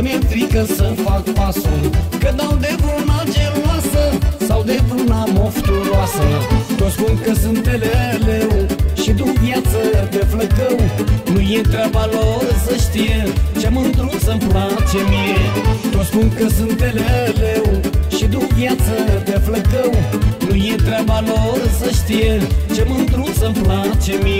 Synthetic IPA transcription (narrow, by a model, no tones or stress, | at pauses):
met̪ɾikəsəfakpasukəd̪awd̪evɾunad͡ʒeluasəsawd̪evɾunamoft̪uɾwasət̪ot̪skunkəsɨnt̪ːelelewʃid̪uvjat̪səd̪efləkəwnũjẽnt̪ɾavalorsəʃt̪ijet͡ʃemənd̪ɾunsəmplat͡ʃemiet̪ot̪sʲpunkəsunt̪ːelelewʃid̪uvjat̪səd̪efləkəwnujet̪ɾʲabalorsəʃt̪ijet͡ʃemənd̪ɾunsəmplat͡ʃemi